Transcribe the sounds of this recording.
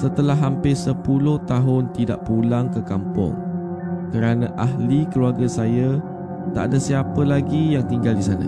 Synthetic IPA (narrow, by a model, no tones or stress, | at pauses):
sət̪əlaɦːampɪsəpulʊht̪aɦʊnt̪ida̰ʔpulaŋkəkampʊ̰ŋ | kəɾanãʔaɦlikəluaɡəsaja | t̪a̰ʔa̰dasiapəlaɡijaŋt̪iŋɡaldisanə̰̃